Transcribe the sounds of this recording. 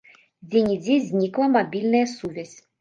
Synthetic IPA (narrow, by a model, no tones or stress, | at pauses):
d͡zʲenʲid͡zʲizʲnʲiklˠɐmabʲilʲnɐjəsuvʲɛzʲ